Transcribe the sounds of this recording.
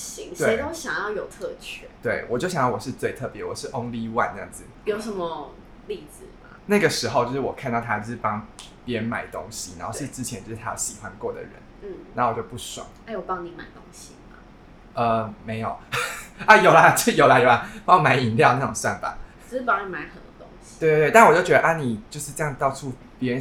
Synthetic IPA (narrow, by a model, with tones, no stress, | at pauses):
ɕi˧˦ŋʂt̪we˥˧˥o˥ʊɕjɑ˨˩ŋjɑ˥˩ʊjo˨˩ʊt̪ʰɤ˥˧t͡ɕʰɛ̰˥˩t̪we˥˩ɪwɔ˨˩t͡ɕjo˥˩ʊɕjɑ˨ŋjɑ˥˩wɔ˨˩ʂɻ̩˥˧t͡swe˥˧ɪt̪ʰɤ˥˩pjɛ˧˥wɔ˨˩ʂɻ̩˥˩ʔʊ˥ŋli˧wa̰˥˧nn˥˧˩ɑ̰˥˩ŋd͡zɹ̩˨˩jo˨˩˥ʊʂə˧˦nmə˧ | li˥˩d͡z̩˨˩ma̰˦na˥˩ɡə˩ʂɻ̩˧˥xo˥˧ʊt͡ɕjo˥˧ʊʂɻ̩˥˩wɔ̰˨˩kʰa˥˧nt̪ɑ˥˩ʊt̪ʰa˦t͡ɕjo˥˧ʂɻ̩˥˩pɑ˥ŋ | pjɛ˦nma˨˩ɪt̪o̰˦ŋɕi˨na˨˦xo˥˧ʊʂɻ̩˥˧˩t͡sɻ̩˧˥t͡ɕʰjɛ˧˦nt͡ɕo˥˧ʊʂɻ̩˥t̪ʰa˥o̰˧˩ɕi˨˩xwa˦˥nkwɔ˥˩d̪ə̰˩ɻə̰˧˦nn̩˥˩nna˨˩˦o˥wjo˥˧ʊpu˥˩swa̰˨˩˦ŋa˥ɪwɔ˨˩pɑ˦˥ŋni˧˥ma˨˩ɪt̪o˥ŋɕi˨ma˩ | ʔə˧me˧˥ɪjo˨˩ʊɐ˦jo˨˩ʊlɐ˨˦t͡ɕo˥˩ʂjo˨˩ʊla˨˦jo˨˩ʊɐ˧˦pɑ˥ŋ˧˦ma˧˥ɪi˨˩˦nljɑ˥˧ʊna˥˩ʈ͡ʂo̰˨˩ŋswa˥˩nfa̰˨˩˦ | ʂ̩˥˩pɑ˥ŋə˨˧˩ma˧˥ɪxə˨˩nt̪o˥t̪ʊ˥ŋɕi̥we˥˧ɪte˥˧ɪt̪a˥˩n˨wɔ˨˩t͡ɕo˥˩t͡ɕɥɛ˧d̪ə˧ʔa˥ni˨˩t͡ɕjo˥˧ʊʂɻ̩˥˧ʈ͡ʂɤ˥˧jɑ˥˧ŋt̪ɑ˥˧ʊt͡sʰu˥˩ | pjɛ˧˥ɻə˧n